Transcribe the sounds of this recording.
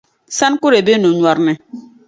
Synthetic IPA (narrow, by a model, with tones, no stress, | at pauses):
sa˦nku˦ɾe˨be˦nũ˨ɲwɔ˨ɾnɛ˨